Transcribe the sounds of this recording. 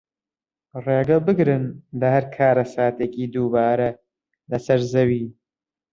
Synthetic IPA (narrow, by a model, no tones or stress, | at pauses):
reːɡɐlˠbɨɡɾɨnlɐhɐɾkʰaːɾɐsaːt̪eːkiːd̪uːbaːɾɐ | lɐsɐɾzɐwiː